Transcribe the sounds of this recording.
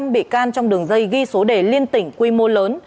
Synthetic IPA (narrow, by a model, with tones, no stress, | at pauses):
mɓḭ˧˨kaː˧nt͡ɕɔ˧wŋ͡mɗɨ˨˩əŋzə˧jɣi˧so˨˦ɗe˧˩li˧ənt̪ï˧˩ŋ̟kwi˧mo˧ləː˨˦n